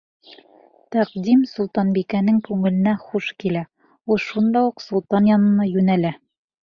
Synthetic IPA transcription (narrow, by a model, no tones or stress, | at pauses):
t̪æqd̪imsulˠt̪ɑnbikænɘŋkʉŋɘ̆lɘ̆næχuʃkilæ | ulˠʃund̪ɑuqsulˠt̪ɑnjɒnɤ̆nɑjʉnælæ